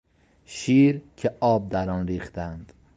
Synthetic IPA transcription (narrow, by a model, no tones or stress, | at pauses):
ʃiːɾcʰeʔɒːb̚d̪æɾɒːnɾiːχt̪ænd̪̥